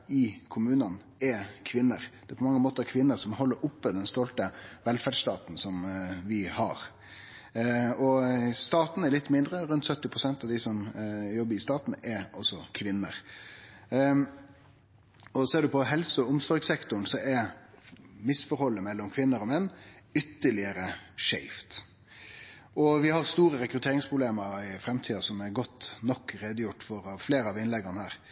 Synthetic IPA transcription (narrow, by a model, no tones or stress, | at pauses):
ɪkʰʊmʉːnɑn | ɛkʰʋɪnːəɾd̪̥ɛpʰɔmɑŋːəmoːt̪əɾɛɾkʰʋɪnːəɾsɔmhɔlːəɾʔʊpːəd̪ɛnst̪ɔlt̪əʋɛlfæɖʂt̪ɑːt̪n̩sɔmʋɪhɑɾ | ɔst̪ɑːt̪n̩ɛɾlɪt̪ːmɪnd̪ɾəɾʉnt̪sœt̪ːɪpʰɾʊsɛnt̪ɑʋd̪ɪsɔmjɔbːəɾɪst̪ɑːt̪n̩ɛɾʔɔsːɔkʰʋɪnːə̰ɾ | ɔsɔɛːɖʉpʰɔɦɛlsʊʊmsɔɾɡsɛkt̪ʊɳn̩sɔɛɾ | mɪsfɔɾhɔlːəmɛlːɔmkʰʋɪnːəɾɔmɛnːʏt̪ːəɭɪəɾəʂæɪft̪ | ɔʋɪhɑɾst̪uːɾəɾɛkɾʉt̪ʰeːɾɪŋspʰɾʊbleːməɾɪfɾɛmt̪ʰiːɑsɔmæɾɡɔt̪ːnɔkːɾeːd̪əjʊʈːfɔɾɑʋfleːɾəɑʋɪnlɛɡɑnhæːɾ